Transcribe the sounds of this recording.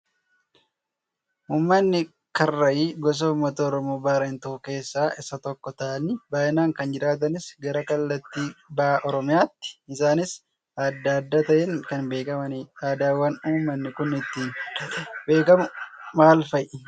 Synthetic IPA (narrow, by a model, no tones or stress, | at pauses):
uːmːɐnːɪ | kɐrːɐʔiːɡɔs̬ɐʊmːɐt̪ɐɔɾɔmoːbaːɾent̪ɐʊke̞ːsːaːʔɪsɐt̪ɔkːɔt̪ɐʔɐnːɪbaːʔɪnaːŋkɐnd͡ʒɪɾaːt̪̬ɐnɪsɡɐɾɐkɐlːɐt̪ːiːbɐaːʔɔɾɔmɪjaːt̪ːɪ̥ɪsaːnɪs | ɐd̪ːaːɐd̪ːaːt̪ɐʔɛŋkɐnbe̞ːkɐmɐnɪaːd̪aːwɐnuːmːɐnːɪkʊnɪt̪ːɪ | be̞ːkɐmʊmaːlfɐjʔɪ